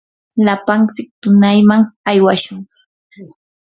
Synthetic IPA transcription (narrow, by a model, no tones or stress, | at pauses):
lapant͡sɪk̚t̪ʊnajmaŋajwaʃʊɴ